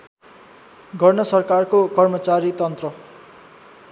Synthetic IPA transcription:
ɡʱʌrnʌsʌrkarkokʌrmʌt͡saɾit̪ʌnt̪rʌ

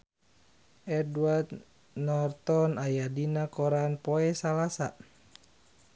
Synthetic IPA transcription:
ʔɛduart̪ | nɔrt̪ɔnajadinakɔɾanpɔɛsalasa̰

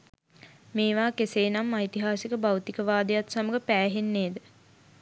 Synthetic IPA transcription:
meːʋaːkeseːnamːait̪iɦaːsikəbawt̪ikəʋaːd̪əjat̪saməɡəpæːɦenːeːd̪ə

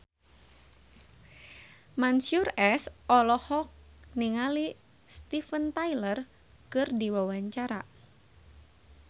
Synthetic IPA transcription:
mansurɛsɔlɔhɔk̚niŋali | st̪ifənt̪ajlər | kɨrdiwawaɲt͡ʃaɾa̰

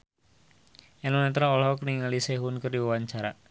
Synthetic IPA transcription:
ɛnɔnɛt̪ɾaɔlɦɔkəniŋaliseɦunkərdiwawaɲt͡ʃaɾa

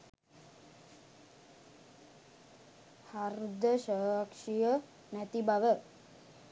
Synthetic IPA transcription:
haɾd̪əʃəːakʂijə | næt̪ibaʋə

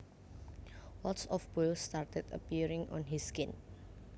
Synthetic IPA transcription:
wɔtsɔfbolstaɹt̪ɛtə̰piɹɪ̃ŋʔɔ̰̃nɦiskɪ̃n

